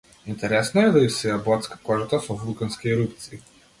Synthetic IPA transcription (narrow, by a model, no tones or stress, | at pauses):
int̪ɛɾɛsnaɛd̪aimsɛjabɔt̪skḁkɔʒat̪asɔvulˠkanskʲiɛɾupt̪siː